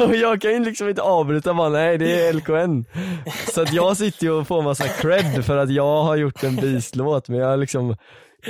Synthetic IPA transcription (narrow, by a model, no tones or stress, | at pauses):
ɔjɑːɡkʰanɪnlɪksɔmɪnt̪əɑːvbɾʉ̟ːt̪abɑːɾanɛɪd̪ɛɛlkʊɛnːsɔat̪jɑːɡs̬ɪt̪ːəjɔfoːmasːakʰɾɛbːfœɾat̪jɑːɡɦaɾjʊʈːɛnbiːsloːt̪mɛnjɑːɡhaɾɭɪksɔm